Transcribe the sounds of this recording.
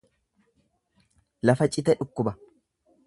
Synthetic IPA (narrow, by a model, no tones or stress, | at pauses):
lɐfɐt͡ʃʼɪt̪ɛᶑʊkːʊbɐ